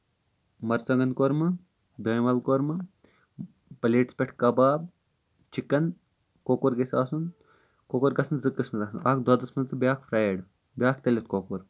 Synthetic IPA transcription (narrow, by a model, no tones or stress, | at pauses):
mɐɾt͡sɐŋɡɐnkoɾmɨ | d̪ɐːjmɐlkoːɾmɨ | pɐleːʈspʲeʈʰkɐbaːb | t͡ʃikːɐn | koːkoɾɡɐsʲaːsun | kokoːɾɡɐsʰɐnzɨkːəsmɐt̪ɐsnaːkd̪aːd̪ɐsmɐnt͡sɨbjaːkʰpʰɾaːjeɽ | bʲjaːk̚t̪ɐlʲet̪koːkoːɾ